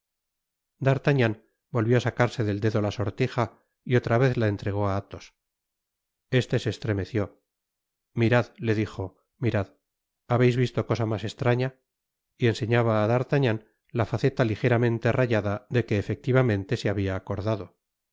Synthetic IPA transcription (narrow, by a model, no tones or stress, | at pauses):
d̪aɾt̪aɲãn | bo̞lβjo̞asakaɾse̞ðe̞ld̪e̞ðolaso̞ɾt̪ixa | io̞t̪ɾaβe̞θlae̞nt̪ɾe̞ɣo̞aat̪os | e̞st̪e̞seːst̪ɾe̞me̞θjo̞ | miɾaðle̞ðixo̞ | miɾað | aβe̞jzβist̪o̞ko̞samase̞st̪ɾaɲa | ie̞nse̞ɲaβaːðaɾt̪aɲan | lafaθe̞t̪alixe̞ɾamẽ̞nt̪e̞raʝaðaðe̞ke̞ːfe̞k̚t̪iβamẽ̞nt̪e̞seaβiaːko̞ɾðaðo̞